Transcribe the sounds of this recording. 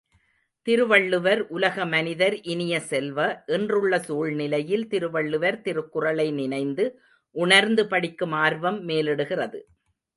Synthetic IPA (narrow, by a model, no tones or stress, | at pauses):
t̪ɪɾɯʋɐɭːɯʋɐɾʔʊlɐɣɐmɐnɪðɐɾʔɪnɪjɐsɛlʋɐʔɛndrɯɭːɐsuːɭnɪlɐjɪlt̪ɪɾɯʋɐɭːɯʋɐɾt̪ɪɾɯkːɯrɐlɐɪnɪnɐɪnd̪ɯ | ʔʊɳɐɾnd̪ɯpɐɽɪkːɯmaːɾʋɐmːeːlɛɽɯɣɪrɐðɯ